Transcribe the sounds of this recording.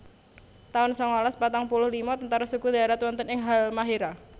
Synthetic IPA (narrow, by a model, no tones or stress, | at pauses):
t̪aʊnsɔŋɔlaspat̪aŋpulʊhlimɔt̪ənt̪aɾasukud̪aɾat̪wɔnt̪ənɪŋɦalmaɦiɾa